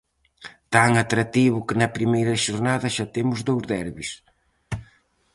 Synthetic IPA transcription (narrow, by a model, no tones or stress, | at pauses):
t̪aŋat̪ɾat̪iβʊkɪnɐpɾimejɾɐʃoɾnaðɐʃat̪emʊzðowzðɛɾβis